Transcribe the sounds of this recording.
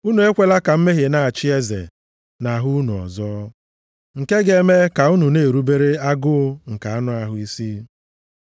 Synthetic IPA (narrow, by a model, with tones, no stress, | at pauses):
u˦nu˨e˦kʷe˦la˦ka˨m̩˦me˦ɦe˨na˨a˨t͡ʃɪ˦e˦zḛ˨ | na˨ɦʊ˦u˦nu˨ɔ̰˨zɔː˦ | ŋ̩˨ke˦ɡe˦me˦ka˨u˦nu˨ne˨ɾu˦be˦ɾe˦a˦ɡʊ˦ŋ̩˨ka˨a˦nʊ˦a˨ɦʊ˦i˦si˦